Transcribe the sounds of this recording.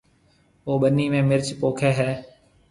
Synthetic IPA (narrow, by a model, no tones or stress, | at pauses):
oːɓəniːmẽːmɪɾt͡ʃpoːkʰeːɦɛː